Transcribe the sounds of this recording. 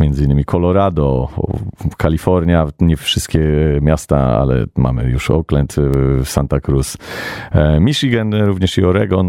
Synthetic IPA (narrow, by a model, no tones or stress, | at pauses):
mʲjɛnd̪zɘinːɘmʲikʰɔlɔɾad̪ɔ | kalʲifɔɾɲaɲɛfʂɘst̪kʲɛmjast̪a̰a̰lɛ̰ma̰mɘ̰juʂɔ̰klɛnt̪sant̪akɾus | mʲiʂiɡɛnɾuvɲɛʂiɔɾɛɡɔn